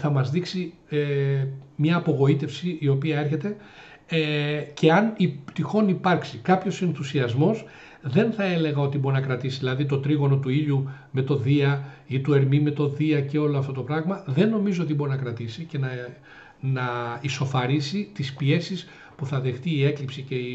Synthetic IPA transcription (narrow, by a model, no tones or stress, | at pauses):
θɐmɐzðiksi | e | mɲɐːpo̞ɣo̞it̪e̞fsiio̞piɐe̞ɾçe̞t̪e̞ | ece̞ɐnipt̪ixo̞nipɐɾksikɐpço̞senθusiɐzmo̞s | ðe̞nθɐe̞le̞ɣɐo̞t̪iboɾinɐkɾɐt̪isiðilɐðit̪o̞t̪ɾiɣo̞no̞t̪uiʎu | me̞t̪o̞ðiɐit̪ue̞ɾmime̞t̪o̞ðiɐce̞o̞loɐft̪o̞t̪o̞pɾɐɣmɐðe̞nːo̞mizoo̞t̪ibo̞ɾinɐkɾɐt̪isice̞nɐ | nɐiso̞fɐɾisit̪ispie̞sis | puθɐðe̞xt̪iːe̞klipsice̞i